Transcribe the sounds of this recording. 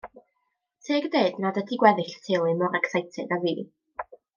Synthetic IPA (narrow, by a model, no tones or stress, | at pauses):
tʰeːɡdeːdnadədiɡwɛðɨɬtʰɪlˠɪmɔɾaksajtʰɛdaviː